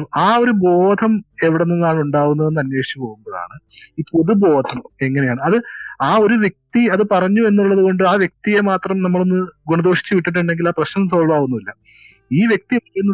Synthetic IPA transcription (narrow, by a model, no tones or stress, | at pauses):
aːo̞ɾubo̞ːd̪ʰʱɐme̞ʋiɽenːunːaːɳuɳɖaːɣunːɐʋenːɐnweːʂi̥t͡ɕːupo̞ːɣumbɐða̰ːɳɨ | ipːo̞ðubo̞ːd̪ʱʰɐme̞ŋːɐne̞jaːɳɨɐðɨaːo̞ɾuʋje̞k̚t̪iɐðɨpɐrɐɲːue̞nːuɭːɐðuko̞ɳɖɨaːʋje̞k̚t̪ijemaːt̪rɐmnɐmːɐɭonːɨɡuɳɐd̪oːʂi̥t͡ɕːɨʋiʈːiʈ̬ːuɳɖe̞ŋɡilaːprɐɕnɐmsoːɭɐʋaːɣunːuʋilːɐ | iːʋjek̚t̪ienːu